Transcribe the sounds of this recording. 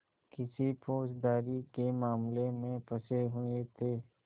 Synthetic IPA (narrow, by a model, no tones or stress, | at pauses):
kɪsipʰoːd͡ʒd̪aːɾikemaːmlemẽpɐseɦʊet̪ʰeː